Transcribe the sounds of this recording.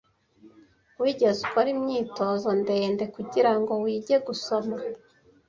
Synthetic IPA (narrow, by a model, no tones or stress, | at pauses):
wiːɟe̞zukoɾimɲiːto̞zo̞ndeːnde̞kuɟiɾaŋɡo̞wiːɟe̞ɡusoma